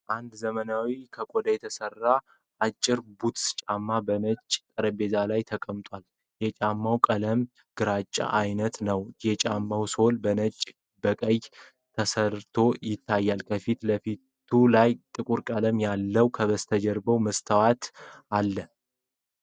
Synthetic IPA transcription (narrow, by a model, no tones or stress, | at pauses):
ʔand̪zəmənawikʰəkʼod̪ajɛt̪ʰəsərːa | ʔat͡ʃʼːɪɾbut̪sɨ̥t͡ʃʼamːabənət͡ʃʼːt̪ʼəɾəbe̞zalajt̪ʰəkʼəmt̪ʼwal | jɛt͡ʃʼamːawkʼələm | ɡ̥ɨɾat͡ʃʼːa̰ʔajnət̪nəwjɛt͡ʃʼamːawso̞lbənət͡ʃʼː | bəkʼəj | t̪ʰəsəɾt̪ʰo̞jɪt̪ʰːajːalkʰəfit̪ləfit̪ʰulajt̪ʼɨkʼuɾkʼələmjalːəwkʰəβəst̪ʰəd͡ʒɛɾbəwməst̪ʰəwat̪alːə